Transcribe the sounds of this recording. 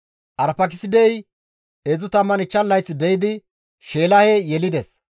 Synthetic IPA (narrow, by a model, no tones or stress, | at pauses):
ʔɐɾpɐkɪsɪd̪ɛj | ezʊt̪ɐmːɐnɪt͡ʃːɐlːɐjt͡sːɪd̪ɛjɪd̪ɪ | ʃeːlɐhɛjɛlɪd̪ɛs